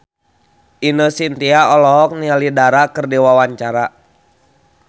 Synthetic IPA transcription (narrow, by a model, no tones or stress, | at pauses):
ʔinosint̪iaɔlɔɦɔk̚nialidaɾakɨrdiwawaɲt͡ʃaɾa